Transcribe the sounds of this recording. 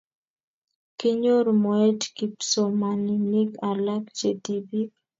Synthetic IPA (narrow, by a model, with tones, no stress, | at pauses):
kɪ˦ɲo˦ɾmɔ˨e˦tki˨pso˨ma˨ni˨ni˦ka˨la˦kd͡ʒe˨ti˨bi˦k̚